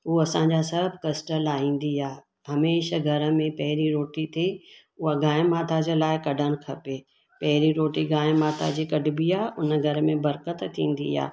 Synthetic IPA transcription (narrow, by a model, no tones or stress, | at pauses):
ɦuːɐsãːɲd͡ʑasɐbʱkɐsʈəlaːĩːn̆d̪iaː | ɦɐmeːʃɡʱɐɾə̆mẽpɐɦɪɾiɾoːʈit̪ʰe | ʊɦaɡaːɪmaːt̪ʰad͡ʑəlaːɪkɐɖʱəñɪ̆kʰɐpeː | pɐɦɪɾiɾoːʈiɡãːmaːt̪ʰa̰d͡ʑikɐɖɪbiaʊnə̆ɡʱɐɾəmẽbɐɾkət̪t̪ʰːĩːn̆d̪ḭa̰ː